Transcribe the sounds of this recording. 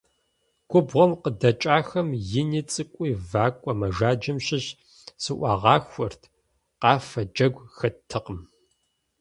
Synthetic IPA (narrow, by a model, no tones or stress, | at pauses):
ɡʷʰʼʊbʁʷɔmqədɐt͡ʃʼaːxɐmjɪniːt͡sʼɨkʷʼiːvaːkʷʼɔmɐʒaːd͡ʒɐmɕɪɕ | sɨʔʷɑːʁɑːxʷɐrtʰ | qɑːfɐd͡ʒɐɡʷxɐtʰːɨqʼəm